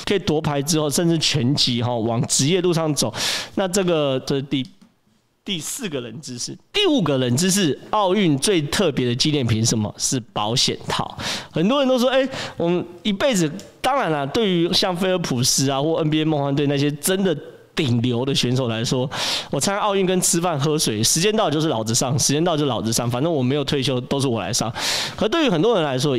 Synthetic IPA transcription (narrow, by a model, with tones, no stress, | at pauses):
kʰɤ˥i˨˩t̪wɔ˧˥pʰa˧˥ɪʈ͡ʂɻ̩˥xo˥˧ʊʂə˥˧nt͡sɻ̩˥˩t͡ɕʰɥɛ˧˥nt͡ɕi˧˥ɦɔ˨˩wɑ˨˩ŋʈ͡ʂɻ̩˧˥jɛ˥˧lu˥˧ʂɑ˥˩ŋt͡so˨˩˦ʊna˥˧ʈ͡ʂɤ˥˩ɡə˨˩t͡ɕo˥˧˥t̪i˥˧ | t̪i˥˧sɹ̩˥˩ɡə˩ɻə˧˦nt͡sɻ̩˥ʂɻ̩˥˩t̪i˥˩u˨˩ɡə˨ɻə˧˥nt͡sɻ̩˥ʂ̬ɻ̩˥˩ɑ˥˧ʊy˥˧nt͡swe˥˧ɪt̪ʰɤ˥˨pjɛ˨˧˥d̪ə˨t͡ɕi˥ljɛ˥˩npʰi˧˥ŋʂə˨˦nmə̰˨ʂɻ̩˥˩pɑ˧˥ʊɕjɛ̰˨˩nt̪ʰɑ̰˥˩˦ʊxə˨˩nt̪wɻə˧˦nt̪o˥ʊʂwɔ˥˦e˥ɪwɔ˨˩mə˦ni˧˥pe˥˩ɪd͡zɹ̩˨˩t̪ɑ˥ŋɻa˧˥nɐ˨t̪we˥˩ɪy˧˥ɕjɑ˥˩ŋfe˥ɪə˧˥pʰu˨˩s̩˧˥a˨xwɔ˥˩ə˥npi˥e˥mɑ˥˧ŋxwa˥nt̪we˥˧ɪna˥˩ɕ̬jɛ˥ʈ͡ʂə˦˥nd̪ə˨ | t̪i˨˩ŋljo˧˥ʊd̪ə˨ɕɥɛ˧˥nʂ̬o˨˩ʊla˧˥ɪʂwɔ˥wɔ˨˩t͡sʰa˧˥a˥˦ʔɑ˥˧ʊy˥˩˨nkə˦nt͡sʰɹ̩˥fa˥˩nxɤ˥ʂwe˨˩ɪʂɻ̩˧t͡ɕjɛ˥nt̪ɑ˥˧ʊt͡ɕjo˥˧ʂ̬̩˥˩lɑ˨˩ʊt͡sɹ̩˧ʂɑ˥˩ŋʂɻ̩˧˥t͡ɕjɛ˥nɑ˥˧t͡ɕjo˥˧˩lɑ˨˩ʊt͡s̩˧ʂɑ˥˩ŋfa˨˩nə˥˩˨wɔ˨˩me˧˥ɪjʊt̪ʰwe˥˧ɪɕjo˥ʊt̪o˥ʊʂ̬ɻ̩˥˩wɔ˨˩la̰˧˥ɪʂɑ̰˥˩ŋkʰə˧˥t̪we˥˩ɪy˧˥xə˨˩nt̪wɔ˥ɻə˧˦nla˧˥ɪʂ̬wɔ˥